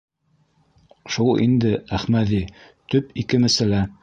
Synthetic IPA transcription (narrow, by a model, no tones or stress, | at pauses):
ʃulˠḭnd̪ɘæχmæði | t̪ɵpikɘmɘ̆sɘlæ